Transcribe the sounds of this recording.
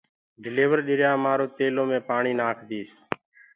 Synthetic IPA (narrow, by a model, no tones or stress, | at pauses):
ɖɪleːʋəɾɗɪɾɪjaːmaːɾoːt̪eːlõːmẽːpaːɳiːnaːkʰd̪ʱiːs